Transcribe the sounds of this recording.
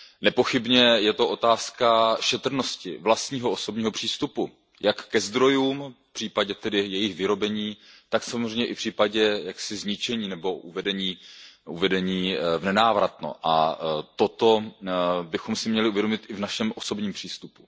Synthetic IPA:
nɛpo̞xɪbɲɛjɛt̪oʔo̞t̪aːskaʃɛt̪r̩no̞scɪ̰vlast̪ɲiːɦoʔoso̞bɲiːɦo̞pr̝̥iːst̪upu | jakːɛzd̪ɾo̞juːmfpr̥iːpaɟɛt̪ɛdɪjɛjɪxvɪɾo̞bɛɲiːt̪aksamozr̝ɛjɲɛʔɪfpr̝̥iːpaɟɛjaksɪzɲɪt͡ʃɛɲiːnɛbo̞ʔuvɛdɛɲiːʔuvɛdɛɲiːvnɛnaːvɾat̪no̰ʔa̰t̪o̞t̪o̞ | bɪxomsɪmɲɛlɪʔuvjɛdo̞mɪt̪ʔɪvnaʃɛmʔo̞so̞bɲiːmpr̝̥iːst̪upu̥

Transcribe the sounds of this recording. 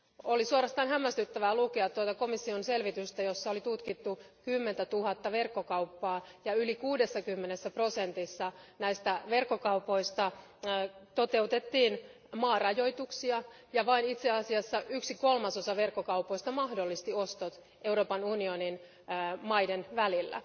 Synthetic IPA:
olisuorɑst̪ɑːnɦæmːæst̪yt̪ːæʋælukeɑt̪tːuot̪ɑko̞misːionse̞lʋit̪yst̪æjo̞sːɑolit̪ut̪kit̪ːukymːent̪æt̪uɦɑt̪ːɑʋe̞rkːo̞kɑuwpːɑːjɑylikuːde̞sːɑkymːenesːæpro̞sent̪isːɑnæist̪æʋe̞rkːo̞kɑupo̞ist̪ɑ | t̪o̞t̪e̞ut̪e̞t̪ːiːn | mɑːrɑjo̞jt̪uksiɑ | jɑʋɑinit̪seɑsiɑsːɑʔyksiko̞lmɑsosɑʋe̞rkːokɑupo̞ist̪ɑmɑhdo̞lːist̪io̞st̪ot̪ | e̞uɾoːpɑnunio̞nin | mɑidenʋælilːæ̰

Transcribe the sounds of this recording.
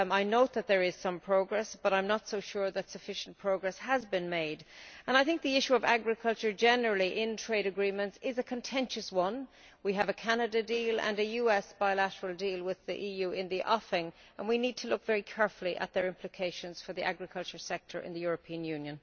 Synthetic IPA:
aɪnoʊt̪̚ðət̪̚ðə˞ɪz̥sʌ̃mpʰɹ̥oʊɡɹɛsb̥ʌɾãɪ̃mnətsoʊʃʊɹðətsəfɪʃə̃npʰɹ̥oʊɡɹɛshəzbɪ̃nmeɪdə̃naɪθɪ̃ŋk̚ðiɪʃuʌva̰ɡɹɨkʰʌlˠt͡ʃə˞d͡ʒɛnə˞əl̩ˠiʔɪ̃ntʰɹ̥eɪɾɨɡɹĩmə̃ntsɪzəkʰə̃ntʰɛ̃nʃəswʌ̃n | wiəvəkʰanədədilə̰̃nɨjʉɛsb̥aɪlaɾəɹəlˠdilˠwɪðḭʔijʉːɪ̃nðiʔɔfɪ̃ŋə̃nwinid̚tʰəlʊkv̥ɛɹikʰɛɹfəl̩ˠiʔə̰t̪̚ðə˞ɪ̃mpʰlɪkʰeɪʃə̃nz̥fə˞ðiʔa̰ɡɹɨkʰʌlˠt͡ʃə˞sɛk̚tʰə̰˞ʔɪ̰̃nðəjʊɹəpʰĩə̃njʉ̃njə̃n

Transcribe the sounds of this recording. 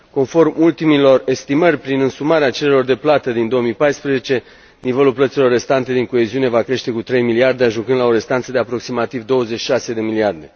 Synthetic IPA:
ko̞nfo̞rmult̪imilo̞re̞st̪imərʲpɾinɨnsumaɾeat͡ʃe̞lelo̞rd̪e̞plat̪əd̪ind̪o̞wəmijpajspɾeze̞t͡ʃe̞ | nive̞lulplət̪silo̞rːe̞st̪ant̪e̞d̪iŋko̞e̞ziune̞vakɾe̞ʃt̪e̞kut̪ɾe̞jmiliard̪eaʒuŋkɨnd̪lao̞ɾe̞st̪ant̪səd̪e̞apɾo̞ksimat̪ivd̪o̞wəze̞t͡ʃːi̥ʃase̞d̪e̞miliard̪e̞

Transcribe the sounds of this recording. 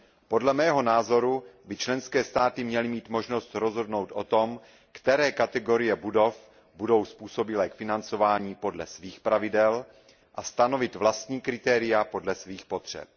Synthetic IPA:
po̞dlɛmɛːɦo̞naːzo̞ɾubɪt͡ʃlɛnskɛːst̪aːt̪ɪmɲɛlɪmiːt̪mo̞ʒno̞st̪ɾozɦo̞dno̞wt̪ʔo̞t̪o̞m | kt̪ɛɾɛːkat̪ɛɡo̞ɾɪjɛbudof | budo̞wspuːso̞bɪlɛkfɪnant͡so̞vaːɲiːpo̞dlɛsviːxpɾavɪdɛl | ʔast̪ano̞vɪt̪vlast̪ɲiːkɾɪt̪ɛːɾɪjapo̞dlɛsviːxpo̞t̪r̝̥ɛ̰p̚

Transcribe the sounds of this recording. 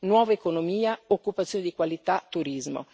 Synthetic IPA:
nwɔːvaekonomiːaokːupat̪sjoned̪ikwalit̪at̪ːuɾizmo̰

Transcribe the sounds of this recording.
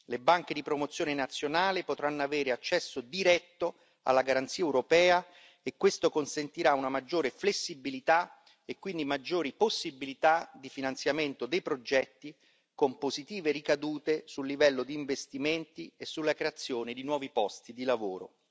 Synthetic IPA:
lebaŋk̟ed̪ipɾomot̪sjoːnenat̪sːjonaːlepot̪ɾanːoaveːɾeat͡ʃːɛsːod̪iɾɛt̪ːo | a̰lːaɡaɾant̪siːaɛewɾopɛːa | ekwest̪okonsent̪iɾaunamad͡ʒːoːɾeflesːibilit̪a | ekwind̪imad͡ʒːoːɾiposːibilit̪ad̪ifinant̪sjament̪od̪ejpɾod͡ʒɛt̪ːi | kompozit̪iːverikad̪uːt̪esulːivɛlːod̪iːɱvest̪iment̪iesːulːakɾeat̪sːjoːned̪inwɔːvipɔst̪id̪ilavoːɾo̰

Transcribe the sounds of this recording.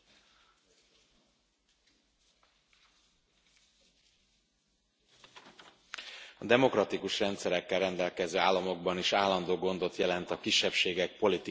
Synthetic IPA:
ɒd̪ɛmo̞krɾɒt̪ikuʃrɛnt̪sɛɾɛkːɛlrɛnd̪ɛlkɛzøːaːlːɒmo̞ɡ̚bɒniʃaːlːɒnd̪oːɡo̞nd̪o̞t̪jɛlɛnt̪ɒkiʃːɛpʃeːɡɛk̚po̞lit̪i

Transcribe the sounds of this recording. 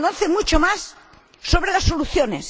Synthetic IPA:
noθemut͡ʃomasː | oβɾelasːoluθjones

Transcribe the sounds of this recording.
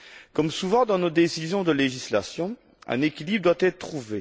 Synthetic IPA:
kɔmsuvɑ̃d̪ɑ̃nod̪esizjɔ̃d̪əleʒislasjɔ̃ | ɛ̰̃nekʲilibʁəd̪wat̪ɛt̪χt̪χuve

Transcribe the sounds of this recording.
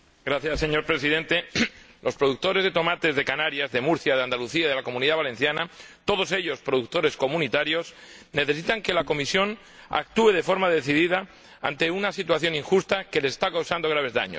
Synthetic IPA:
ɡɾaθjasːe̞ɲo̞ɾpɾe̞siðe̞nt̪e̞lʔo̞spɾoðuk̚t̪o̞ɾe̞zðe̞t̪o̞mat̪e̞zðe̞kanaɾjazðe̞muɾθjaðeand̪aluθiaðe̞lako̞muniðaβale̞n̟θjanat̪o̞ð̞o̞se̞ʎo̞spɾo̞ðuk̚t̪o̞ɾe̞sko̞mũnit̪aɾjo̞sne̞θe̞s̬it̪aŋke̞lako̞misjo̞n | a̰k̚t̪ue̞ð̞e̞fo̞ɾmaðe̞θiðiða | a̰nt̪e̞unasit̪waθjo̞niŋxust̪ake̞lese̥st̪akawsand̪o̞ɣ̞ɾaβ̞e̞zða̰ɲo̰s

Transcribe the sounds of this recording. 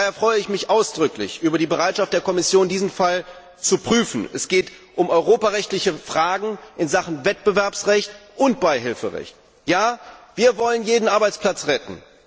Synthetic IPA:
heɐfʁ̥ɔʏəɪçmɪçʔaʊsd̥ʁʏklɪ̰çʔyːbɐɾiːbəʁaɪtʃaftd̥eːɐkʰɔmɪsjoːndiːzn̩fal | t͡supʁ̥yːfn̩ʔɛ̰sɡ̥eːtʔʊmɔʏʁoːpaʁɛçtlɪçəfʁ̥aːɡŋ̩ʔɪnzaχn̩vɛt̚b̥əvɛɐpsʁɛçtʔʊnt̚b̥aɪɦɪlfəʁɛ̰çt | jaːviːɐvɔlənjeːdn̩ʔaɐbaɪt͡spl̥at͡sʁɛtn̩

